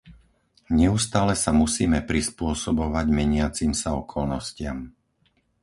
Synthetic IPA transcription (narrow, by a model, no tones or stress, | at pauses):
ɲɛust̪aːlɛsamusiːmɛpɾispʊɔsɔbɔʋaɟmɛɲɪat͡simsaɔkʰɔlnɔscɪa̰m